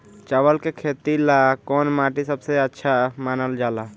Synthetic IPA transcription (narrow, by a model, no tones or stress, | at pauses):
t͡ʃəwəlkekʰeːt̪ilakɔːnmaʈisəbseətːʃʰamaːnəld͡ʒaːla